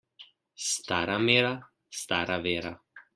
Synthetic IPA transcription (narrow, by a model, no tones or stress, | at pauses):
st̪aɾamɛɾa | st̪aɾavɛɾa